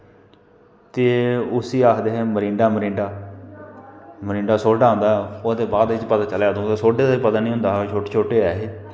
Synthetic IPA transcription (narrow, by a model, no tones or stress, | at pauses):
t̪eːʊsiːaːkʰd̪eːɦɛ̃ːməɾĩːɳɖaːməɾĩːɳɖaː | məɾĩːɳɖaːsoːɖaːõːnd̪aːoːd̪eːbaːd̪ɪt͡ʃpət̪aːt͡ʃəljaːd̪õːt̪aːsoːɖeːd̪pət̪aːnĩːɦʊ̃nd̪aːɦt͡ʃʰoːʈeːt͡ʃʰoːʈeːɛːɦeː